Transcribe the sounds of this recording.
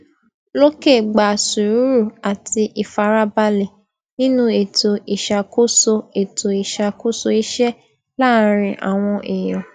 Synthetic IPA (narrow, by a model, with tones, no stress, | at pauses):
lo˦ke˦˨ɡ͡ba˨su˨ɾu˨˦ɾu˦˨a˨ti˧ʔi˨fa˨˦ɾa˦ba˧lɛ˨ | nĩ˦nũ˦e˨to˨ʔi˨ʃa˨ko˦so˧e˨to˨i˨ʃa˧ko˦so˧i˦ʃɛ˦ | la˦˨˦ɾ̃ĩ˧ʔa̰˨w̃ɔ̃˧ʔe˨j̃ɔ̃˨